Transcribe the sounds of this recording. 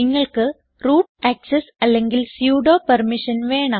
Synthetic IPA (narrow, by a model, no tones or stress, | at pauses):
ɪŋːɐɭkɨ | ɾuːʈɐksesɐlːeŋɡilsjuːɽoːpɐɾmiʂɐnʋeːɳa